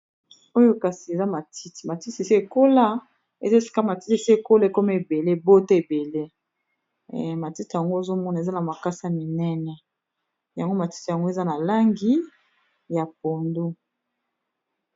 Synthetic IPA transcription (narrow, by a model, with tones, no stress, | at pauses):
o˦jo˦ka˨si˨e˨za˦ma˨tʰi˦ti˨ma˨ti˦te˨si˦e˨ko˦la˦ | ḛ˨za˦fi̥˨ka˦ma˨ti˦te˨si˦e˨ko˦la˦e˨ko˦mɛ˦e˨be˨le˦bo˦to˦e˨be˨le˦˨ | ma˨ti˦ti˨ja˨ŋɡo˦e˨zo˦mɔ˦na˨e˨za˦na˨ma˨ka˦sa˦mi˨nɛ˦nɛ˨ | ja˨ŋɡo˦ma˨ti̥˦ti˨ja˨ŋɡo˦e˨za˦na˨la˦ŋɡi˦ | ja˨p̚o˨ndu˦